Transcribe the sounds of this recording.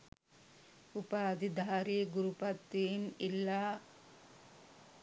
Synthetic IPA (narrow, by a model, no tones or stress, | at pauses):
upaːd̪id̪ʱaːɾiɡuɾupɐt̪ːimilːaː